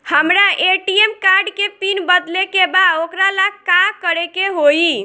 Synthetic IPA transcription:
həmɾaʔeʈiemkaɾɖkepinbəd̪lekebaokɾalakakəɾekeɦoi

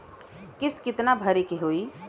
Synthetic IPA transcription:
kɪskɪt̪nabʱəɾekeɦoːi

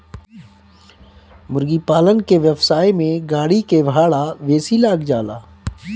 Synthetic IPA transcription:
mʊɾɡipaːlənkeʋjəpsaːemẽɡaːɽikebʱaːɽaʋeːsilaːkd͡ʒaːlaː

